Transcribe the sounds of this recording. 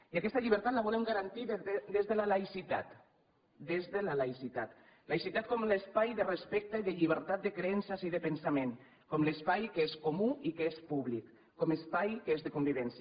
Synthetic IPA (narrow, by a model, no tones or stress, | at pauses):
iakɛst̪aʎiβ̞əɾt̪at̪laβɔlemɡaɾant̪iðd̪ezðəlalajsit̪a̰t̪ | d̪ezðelalajsit̪at̪ | lajsit̪at̪̚kɔmlespajðərespɛk̚t̪eiðəʎiβəɾt̪at̪̚d̪ekɾeɛnsaziðəpensamẽŋ | kɔmlespajkəeskomuikeespuβlikː | ɔmespajkəezðekumbiβɛnsj